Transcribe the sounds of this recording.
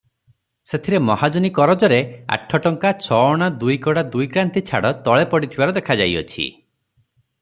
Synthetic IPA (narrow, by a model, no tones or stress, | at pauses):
set̪ʰiɾemɔhad͡ʒɔnikɔɾɔd͡ʒɔɾea̰ʈʰːɔʈɔŋkat͡ʃʰɔɔɽ̃ad̪ujkɔɽad̪ujkɾant̪it͡ʃʰa̰ɽɔt̪ɔɭepɔɽit̪ʰibaɾɔd̪ekʰad͡ʒa̰jɔ̰t͡ʃʰḭ